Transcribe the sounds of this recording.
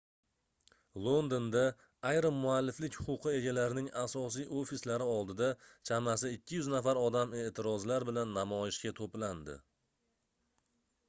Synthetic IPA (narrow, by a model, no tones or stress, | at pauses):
lˠo̞nd̪ond̪aː | jɾɪmːʊalːɪflɪkʲhʊ̥qʊqʰɨe̞ɡʲalaɾɪnɪŋasɒs̬ijʔofislaɾɪɒlˠd̪ɪd̪at͡ʃʰamasɪɪkʲːɪjʊznafaɾɒd̪ame̞ʔt̪ʰɪɾɒzlaɾbɪlanːamɒjɪʃkʲat̪ʰopland̪ɪ̰